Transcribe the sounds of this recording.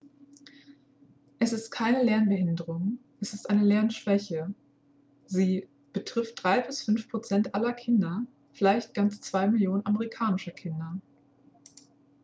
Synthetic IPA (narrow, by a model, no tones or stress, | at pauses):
ʔɛsɪst̚kʰaɪnəlɛɐnbəhɪndəʁʊŋʔɛsɪstʔaɪnəlɛɐnʃv̥ɛçə | ziː | b̥ətʁ̥ɪft̚d̥ʁaɪbɪsfʏnfpʁ̥ot͡sɛntʔalɐkʰɪndɐ | fɪlaɪçt̚ɡ̥ant͡st͡sv̥aɪmɪljoːnənʔaməʁikʰaːnɪʃɐkʰɪndɐ